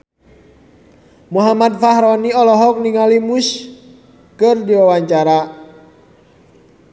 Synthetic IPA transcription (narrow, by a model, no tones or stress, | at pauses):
muɦamad̚faɦɾɔniɔlɔɦɔk̚niŋalimus | kɨrdiwawaɲt͡ʃaɾa